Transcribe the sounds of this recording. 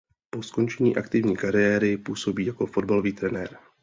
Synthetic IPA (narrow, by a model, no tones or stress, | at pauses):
po̞sko̞nt͡ʃɛɲiːʔakt̪ɪvɲiːkaɾɪjɛːɾɪpuːso̞biːjako̞fo̞dbaloviːt̪ɾɛnɛːɾ